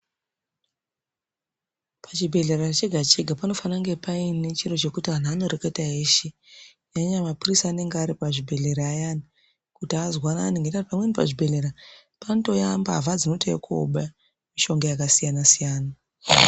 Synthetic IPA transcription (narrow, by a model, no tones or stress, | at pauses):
pʰat͡ʃibʱe̞ɮeraret͡ʃeɡʱat͡ʃeɡʱapano̞fanaŋɡe̞painet͡ʃiro̞t͡ʃe̞kutian̤ano̞ɾeketaɦeʃiɲaɲamapurisaːne̞ŋɡeaɾipaʐibʱe̞ɮe̞ɾaːjani | kutiazwanaːneŋɡetartpamwenipa̰ʐibʱe̞ɮeɾa | panoto̞jambavad͡zino̞tʰḛko̰ɓa | miʃo̞ŋɡojakasijanasijaːna